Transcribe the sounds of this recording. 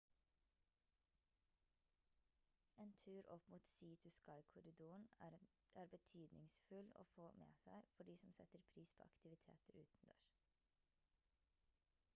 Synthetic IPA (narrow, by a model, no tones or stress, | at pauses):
eːnt̪ʰʉːɾʔɔpmuːt̪siːt̪ʰʉskɑɪkʰʊɾɪd̪uːɳ̩ | ʔæːɾbət̪ʰyːd̪nʔɪŋsfʉlo̰ːfoːmḛːsæɪfɔɖiːsɔmsɛt̪əɾpʰɾiːspʰo̰ːɑkt̪ɪʋɪt̪ʰḛːt̪əɾʉ̰ːt̪n̩d̪ø̰ːɹ